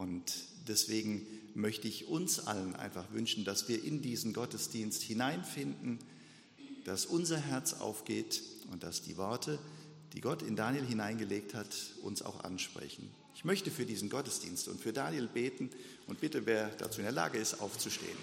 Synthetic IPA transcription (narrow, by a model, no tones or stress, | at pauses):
ʔʊnt | d̥ɛsv̥eːɡŋ̩ | mœçtəɪçʊnsʔa̰lənʔa̰ɪnfaχvʏnʃn̩dasv̥iːɐʔɪndiːzn̩ɡɔtəsd̥iːnsthɪnaɪnfɪndn̩ | d̥asʔʊnzɐɦɛɐt͡sa̰ʊfɡ̥eːtʊnt̚d̥asd̥ḭːvɔɐtʰə | d̥ḭːɡɔtɪndaːnjelɦɪnaɪnɡəleːk̚thatʔʊ̰nsa̰ʊxʔa̰nʃpʁ̥ɛ̰çn̩ | ɪçmœçtəfyːɐdiːzn̩ɡɔtəsd̥ḭːnstʊ̰ntfyːɐdaːnjelbeːtn̩ | ʔʊnt̚b̥ɪtəveːɐd̥a̰t͡suːɪndeɛɐla̰ːɡəɪstʔa̰ʊft͡suʃtḛːən